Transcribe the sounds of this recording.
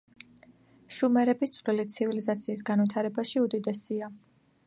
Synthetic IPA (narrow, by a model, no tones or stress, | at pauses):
ʃumɛɾɛbist̪sʼvlilit̪sʰivilizat̪sʰiːsɡanvit̪ʰaɾɛbaʃiud̪id̪ɛsia